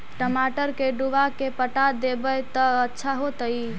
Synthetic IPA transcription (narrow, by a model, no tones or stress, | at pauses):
ʈəmaʈəɾkeɖuʋakepəʈad̪ebəjt̪əətːʃʰaɦot̪əj